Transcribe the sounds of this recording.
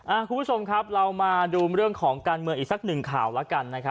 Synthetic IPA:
ʔaː˧˩kʰu˧mbʰt͡ɕʰo˧mkʰa˦˥p̚ɾa˧wmaː˧duː˧mɾɯ˥˩əŋkʰɔː˩˦ŋkaː˧nmɯ˧əŋʔiː˨˩sa˩˦k̚nɯ˨˩ŋkʰa̰ː˨˩wla˦˥ka˧nːa˦˥kʰa˦˥

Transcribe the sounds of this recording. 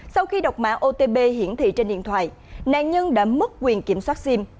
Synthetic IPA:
sa˧wxi˧ɗə˨˩wk͡p̚ma̰ː˧˥ʔo˧t̪e˧ɓe˧ɦḭ˧˥ənt̪ʰḭ˧˨t͡ɕe˧nɗḭ˧˨ənt̪ʰwa̰ː˧˨j | na̰ː˧˨nɲə˧nɗa̰ː˧˥mɨ˦˥t̚kːwi˨˩ənki˧˩əmswaː˦˥t̚si˧m

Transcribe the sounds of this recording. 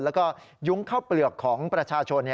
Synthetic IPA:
lɛː˦˥kɔː˥˩ | ju˦˥ŋkʰaː˥˩wplɯ˨˩əkʰːɔː˩˦ŋpɾa˧t͡ɕʰaː˧t͡ɕʰo˧nːj

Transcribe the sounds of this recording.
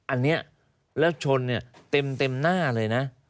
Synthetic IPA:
ʔa˧nːi˦˥ə | ləː˦˥p̚t͡ɕʰo˧nːi˧˩ət̪i˧mt̪i˧mnaː˥˩ləː˧jna˨˦˥

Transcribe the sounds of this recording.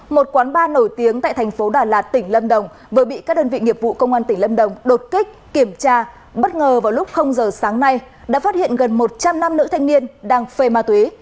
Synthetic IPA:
mo˨˩t̚kwaː˨˦nɓaː˧no˧˩jt̪i˨˦əŋt̪a̰ː˧˨jt̪ʰjŋ̟fo˨˦ɗaː˨˩laː˨˩t̚t̪ï˧˩ŋ̟lə˧mɗə˨˩wŋ͡m | vəː˨˩˦ɓḭ˧˨kaː˦˥k̚ɗəː˧nvḭ˧˨ŋi˨˩əp̚vṵ˧˨kə˧wŋ͡mʔaː˧nt̪ï˧˩ŋlə˧mɗə˨˩wŋ͡mɗo˨˩t̚ki˦˥k̟̚ki˧˩əmt͡ɕaː˧ | ɓə˦˥t̚ŋəː˨˩vaː˨˩wlʊ˦˥k͡p̚xə˧wŋ͡mzəː˨˩saː˨˦ŋna˧j | ɗa̰ː˧˥faː˦˥t̚hḭ˧˨ənɣə˨˩nmo˨˩t̚t͡ɕa˧mna˧mnɨ̰˧˥t̪ʰa˧jŋ̟ni˧ənɗaː˧ŋfe˧˩maː˧t̪wi˨˦

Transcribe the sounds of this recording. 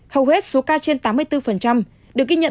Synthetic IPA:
hə˨˩whe˦˥t̚so˨˦kaː˧t͡ɕe˧nt̪aː˨˦mːɨ˧əjt̪ɨ˧fə˨˩nt͡ɕa˧m | ɗɨ˨˩ək̚ɣi˧ɲə̰˧˨

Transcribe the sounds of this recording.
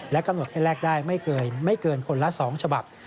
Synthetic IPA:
lɛ˦˥ka˧mn˨˩t̚hɛː˥˩lɛː˥˩k̚daː˥˩jma˥˩jɤː˧ma˥˩jkɤː˧nkʰo˧nla˦˥sɔː˩˦ŋt͡ɕʰa˧ba˨˩p̚

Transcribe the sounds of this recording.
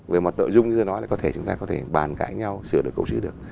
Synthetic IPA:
ve˨˩mɔ˨˩t̚t̪ə̰ː˧˨jzʊ˧ŋ͡mznɔ˨˦jla̰ː˧˨˩kɔ˨˦t̪ʰe˧˩t͡ɕʊ˨˦ŋ͡mt̪aː˧kɔ˨˦t̪ʰe˧˩ɓaː˨˩nka̰ː˧˥jɲa˧wsɨ˧˩əɗɨ˨˩əkːə˧wsɨ̰˨˦ɗɨ˨˩ək̚

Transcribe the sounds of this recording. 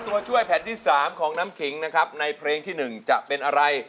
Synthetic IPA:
t̪u˧ɐt͡ɕʰu˥˩əjpʰɛː˩˦nt̪ʰiː˥˩saː˩˦mkʰɔː˩˦ŋnaː˦˥mkʰi˩˦ŋna˦˥kʰa˦˥p̚na˧jpʰɾeː˧ŋt̪ʰiː˥˩nɯ˨˩ŋt͡ɕa˨˩ʔpe˧nʔa˧ɾa˧j

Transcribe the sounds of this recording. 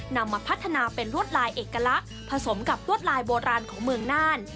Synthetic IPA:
na˧mːaː˧pʰa˦˥t̪ʰːa˧naː˧pe˧nɾu˥˩ət̪̚laː˧jʔeː˨˩kːa˧la˦˥ʔ | pʰa˧so˩˦mka˨˩p̚ɾu˥˩ət̪̚laː˧jboː˧ɾaː˧nkʰɔː˩˦ŋmɯ˧əŋnaː˥˩n

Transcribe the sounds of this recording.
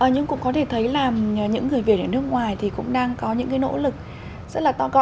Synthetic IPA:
ʔəː˨˩ɲɨ˧ŋkʊ̰˧˥ŋ͡mkɔ˨˦t̪ʰe˧˩t̪ʰə˨˦jlaː˨˩mː˨˩ɲɨ̰˧˥ŋːɨ˨˩əjvi˨˩he˧˩nː˦ɨ˦˥ək̚ŋwaː˨˩jt̪ʰi˨˩kʊ̰˧˥ŋ͡mɗaː˧ŋkɔ˨˦ɲɨ̰˧˥ŋkaː˨˦jno̰˧˥lɨ˨˩k̚ | zə˦˥t̚laː˨˩t̪ɔ˧kɔ˧

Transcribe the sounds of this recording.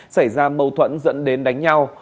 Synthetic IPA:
sa˧˩jzaː˧mə˧˩wt̪ʰwə̰˧˥nzə̰˧˥nɗe˨˦nɗa˨˦jŋ̟ɲa˧w

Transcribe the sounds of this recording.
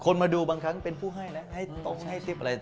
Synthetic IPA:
kʰo˧nmaː˧duː˧baː˧ŋkʰa˦˥ŋpe˧npʰuː˥˩ɦa˥˩jna˦˥ha˥˩jt̪o˥˩k̚ha˥˩jt̪i˦˥p̚ʔɾa˧

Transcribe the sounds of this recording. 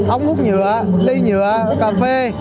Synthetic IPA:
ʔə˧wŋ͡mmu˦˥t̚ɲɨ˨˧˩əɗi˧jɲɨ̰˨˧˨ə | kaː˧fe˧

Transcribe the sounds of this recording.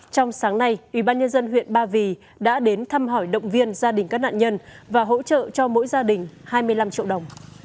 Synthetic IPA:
t͡ɕɔ˧wŋ͡msaː˨˦ŋna˧jʔwi˧˩ɓaː˧nɲə˧nzə˧nɦwḭ˧˨ənɓaː˧vi˨˩ | ɗa̰ː˧˥ɗe˨˦nt̪ʰa˧mɦɔ˧˩jɗə̰˧˨wŋ͡mvi˧ənzaː˧ɗï˨˩ŋ̟kaː˦˥k̚na̰ː˧˨nɲə˧nvaː˨˩ɦo̰˧˥t͡ɕə̰ː˧˨t͡ɕɔ˧mo̰˧˥jzaː˧ɗï˨˩ŋ̟haː˧jmɨ˧əjla˧mt͡ɕḭ˧˨əwɗə˨˩wŋ͡m

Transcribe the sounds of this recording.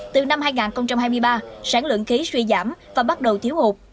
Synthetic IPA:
t̪ɨ˨˩na˧mɦaː˧jŋaː˨˩nxə˧wŋ͡mt͡ɕa˧mhaː˧jmɨ˧əjɓaː˧saː˧˩nlwɨ̰˧˨nxi˨˦swi˧zaː˧˩mvaː˨˩ɓa˦˥t̚ɗə˨˩wt̪ʰi˨˦whu˨˩k͡p̚

